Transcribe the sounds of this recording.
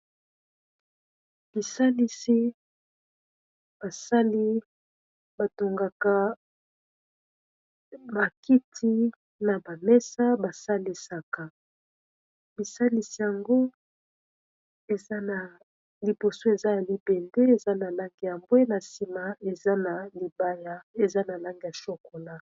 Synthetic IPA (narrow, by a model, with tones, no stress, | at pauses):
b̥i˨sa˦li˦si˦ | b̥a˨sa˦li˦ | ba˨to˨ŋɡa˨ka˦ | ba˨ki˦tʰi˦ | na˨ba˨mɛ˦sa˦ba˨sa˦li˦sa˨ka˨ | bi˨sa˦li˨si˨ja˨ŋɡo˦ | e˨za˦na˨ | li˨bo˨so˦e˨za˦ja˨li˨bɛ˨nde˦e˨za˦na˨la˦ŋɡe˨ja˨mbwe˦na˨si˨ma˨e˨za˦na˨li˨ba˦ja˦e˨za˦na˨la˦ŋɡe˨ja˨ʃo˦ko˨la˦